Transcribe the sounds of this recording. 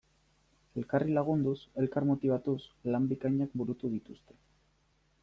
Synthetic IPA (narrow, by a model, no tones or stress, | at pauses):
e̞lkarilaɣ̞und̪use̞lkaɾmo̞t̪iβ̞at̪uslambikaɲak̚buɾut̪uðit̪ust̪e̞̥